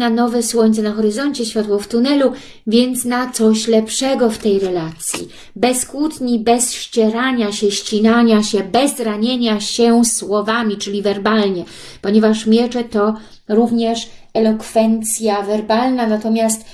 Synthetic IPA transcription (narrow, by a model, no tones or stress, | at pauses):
nanɔvɛswɔɲt̪sɛnaxɔɾɘzɔɲt͡ɕɛɕfʲat̪wɔft̪unɛlu | vʲjɛnt̪snat̪sɔɕlɛpʂɛɡɔft̪ɛjɾɛlat̪sʲjḭ | bɛskwut̪ɲibɛsɕt͡ɕɛɾaɲaɕɛɕt͡ɕinaɲaɕɛbɛzɾaɲeɲaɕɛswɔvamʲit͡ʂɘlʲivɛɾbalɲɛ | pɔɲɛvaʂmʲjɛt͡ʂɛt̪ɔ | ɾuvɲɛʂ | ɛlɔkfɛnt̪sʲjavɛɾbalnanat̪ɔmʲjast̪